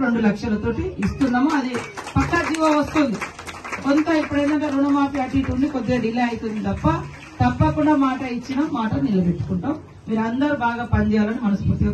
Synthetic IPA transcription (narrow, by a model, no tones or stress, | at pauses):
ɾe̞ɳɖulɐkʂɐlɐt̪o̞ːʈiːst̪unːaːmoɐd̪ipɐkːɐd͡ʒiːʋoːʋɐst̪ond̪i | kont̪ɐːipːuɽɐjnɐɳʈɐɾunɐmaːpiɐʈiːʈuɳɖikod̪ːe̞ːɖilɐɐjt̪und̪it̪ɐpːɐ | t̪ɐpːɐkuɳɖaːmaːʈɐit͡ʃːinɐmmːaːʈɐnilːɐbe̞ʈːu̥kuɳʈaːm | miːɾɐnd̪ɐɾubaːɡaːpɐnd̪ijaːlɐniɐnɐspuɾt̪ːi